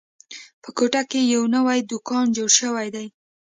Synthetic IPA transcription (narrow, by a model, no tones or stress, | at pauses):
pəkoʈakejawnəwajd̪ʊkɑnd͡ʒoɽʃəwajd̪aj